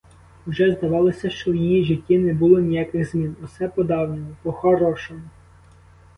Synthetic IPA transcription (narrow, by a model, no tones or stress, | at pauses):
wʒɛzd̪ɐʋɑlˠɔsʲɐʃt͡ʃɔjijiʒitʲːinɛbulˠɔnʲijakɪɣzmʲinʊsɛpɔd̪ɑwnʲɔmʊpɔxɔɾɔʃɔmɔ